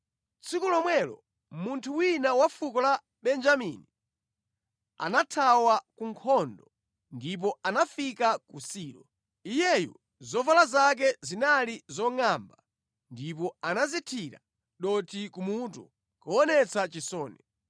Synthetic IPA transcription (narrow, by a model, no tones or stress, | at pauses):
t͡sʰikulɔmwɛlɔ̰ | muntʰuwinawafukɔla | ɓɛnd͡ʒamḭni | a̰natʰawakuŋkʰɔndɔ | ndip̬ɔanafikakusiːɾɔ | ijɛjɔ̰ | zɔvalazak̬ɛzinalizɔŋamba | ndip̬ɔanazitʰiɾa̰ | ɗɔtʰikumut̬u | kɔɔnɛt͡sʰat͡ʃisɔːnɛ